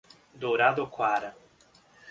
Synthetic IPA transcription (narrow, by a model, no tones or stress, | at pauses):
d̪oɾad̪okwaɾa